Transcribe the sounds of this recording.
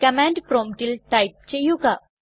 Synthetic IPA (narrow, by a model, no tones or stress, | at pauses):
kɐmaːɳɖpɾoːmʈilʈɐjp̚t͡ɕejːuɡa